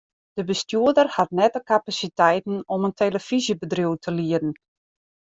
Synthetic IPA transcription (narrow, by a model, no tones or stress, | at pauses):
d̥əbəstjuədərhatnɛtəkapasitɛjtn̩ɔməntʰeːləfizjəbədriuwtʰəliədən̩